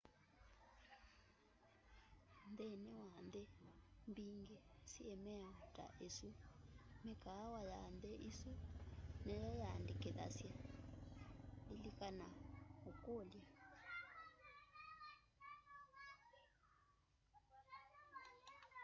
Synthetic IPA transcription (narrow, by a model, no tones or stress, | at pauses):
nd̪ɛnɛwand̪ɛmbiŋɡɛsiɛmɛtʼa̰ʔesumikawajand̪ɛʔisunɛjɔjandikɛða̰sja | lilikanaukolja